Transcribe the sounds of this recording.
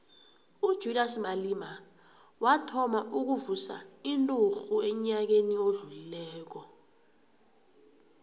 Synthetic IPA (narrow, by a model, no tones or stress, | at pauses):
ud̥ʒ̥ʱudasmalima | watʰɔmaʔuk̬uvusa̰intʼuxuɛɲak̬enioɮulilɛːk̬ɔ